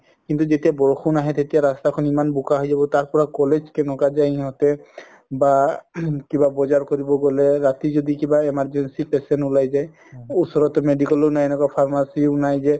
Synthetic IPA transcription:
kint̪uzetijabɔɹxunaɦɛt̪etijaɹastakʰɔnimanbukaɦojzabɔtaɹpɔɹakɔlezkɛnɔkazajiɦɔtɛ | ba | kibabɔzaɹkoɹibɔɡɔlɛɹatizodikibaemaɹzensipɛsɛntulajzaj | usɔɹɔtɔmedikɔlunajɛnɛkwapʰaɹmasiunajzɛ

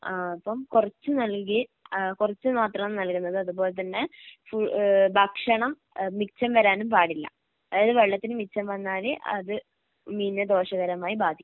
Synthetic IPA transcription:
aɐpːɐmkurɐt͡ɕːunɐlkkikurɐt͡ɕːunaːt̪rɐɳɐmnɐlkunːɐðɨɐðubo̞ːlet̪ɐnːe̞fubʱɐkʂɐɳɐm | mikt͡ɕɐmʋɐɾaːnumpaːɽilːɐ̰ | ɐɐðɨʋeɭːɐt̪ːinɨmik̚t͡ɕːɐmʋɐnːaːleʔɐ̰ðɨ | miːnːɐd̪o̞ːʂɐɣɐɾɐmaːjibaːd̪ʱikː

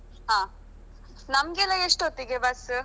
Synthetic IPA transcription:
ɦãː | nɐmɡelːɐeʂʈot̪ːiɡebɐs

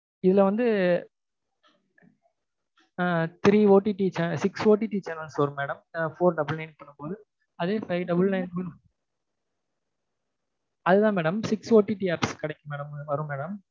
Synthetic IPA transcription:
ɪðɪlɐʋɐnd̪ɯ | t̪ɾiːoːʈːiʈːit͡ʃɐnsɪksoːʈːiʈːit͡ʃɐnɐlsʋɐɾmeːɽɐmfoːɾɖɐbɪlɛnpːɐɳːɯpoːðɯ | ɐðeːfɐɪʋɖɐbɐlnɐɪnun | ɐðɯðãːmeːɽɐmsɪksoːʈːiʈiaːpskɐɽɐkːɐmeːɽɐmʋɐɾɯ̃meːɽɐm

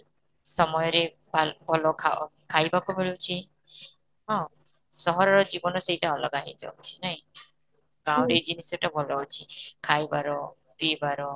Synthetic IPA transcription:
sɔmɔjɔɾe | bʱalbʱɔlɔkʰakʰajbakumiɭut͡ʃʰi | ɦɔ̃ | sɔɦɔɾɔɾɔd͡ʒibɔnɔseitaɔlɔɡaɦid͡ʒa̰wt͡ʃʰi̥naɦĩ | ɡãw̃ɾed͡ʒinisɔʈabʱɔlɔut͡ʃʰikʰajbaɾɔ | pibaɾɔ

